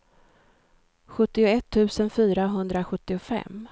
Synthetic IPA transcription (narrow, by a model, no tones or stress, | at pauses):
ɧɵt̪ːɪʊɛt̪ʰːʉ̟ːsənfyːɾaɦɵnd̪ɾaɧɵt̪ːɪʊfɛ̰mː